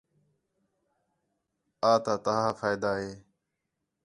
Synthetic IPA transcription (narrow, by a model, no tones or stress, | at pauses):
aːt̪aːt̪əɦaːfaːjd̪aːɦeː